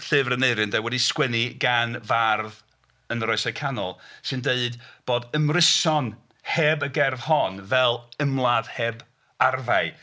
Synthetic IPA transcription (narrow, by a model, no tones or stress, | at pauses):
ɬɨvrəneɨɾɨndɛwɛdiskwɛniɡanvarð | ənɾɔɨsakʰanɔlˠsɨndeɨdb̥oːdəmrɪsɔn | hɛbəɡɛrð̥hɔnvɛlˠəmlˠað̥hɛːb | arvaɨ